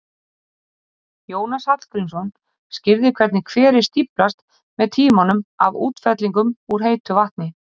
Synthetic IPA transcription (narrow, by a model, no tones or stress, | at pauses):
joːwnashat̪l̥kɾinsɔn | scɪɾðɪkʰv̥ɛɾt̪nɪkʰvɛːɾɪst̪iplast̪ | mɛðt̪ʰiːmanʏma̰vṵːt̪fɛt̪liŋkʏmuɾ̥ɦeːjt̪ʏvaht̪̚nɪ